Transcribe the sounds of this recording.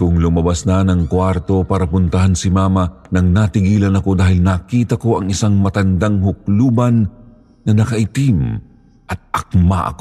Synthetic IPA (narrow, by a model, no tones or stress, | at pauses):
kʊŋlʊmɐbasnanɐŋkwaɾt̪o̞paːɾɐpʊnt̪ɐɦansɪmaːmɐnɐŋnat̪ɪɡiːlɐnɐko̞d̪aːhɪlnakiːt̪ɐko̞ʔɐŋɪsaŋmɐt̪ɐnd̪aŋhʊk̚luːbɐnː | ɐnɐkɐʔɪt̪im | ʔɐt̪̚ɐk̚ma̰ʔɐ̰ko